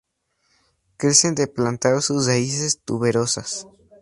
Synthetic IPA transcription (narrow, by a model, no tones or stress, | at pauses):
kɾe̞se̞nd̪eplant̪aɾsuzraisest̪uβe̞ɾo̞sas